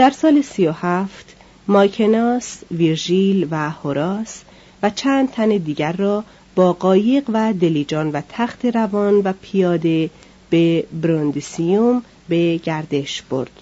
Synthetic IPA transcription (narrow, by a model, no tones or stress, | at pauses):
d̪̥æɾsɒːlesijohæft̪ | mɒːjcʰenɒsviɾʒilvæhoɾɒːs | væt͡ʃʰæːnd̪̥̚t̪ʰæned̪iːɟæɾːɒː | b̥ɒːɢɒːje̞ɣvæd̪e̞liːd͡ʒɒːnvæt̪ʰæxt̪ʰe̞ɾævɒːnvæpʰijɒːd̪e̞ | b̥ebɾond̪isijom | be̞ɟæɾd̪e̞ʃb̥o̞̰ɾd̪̥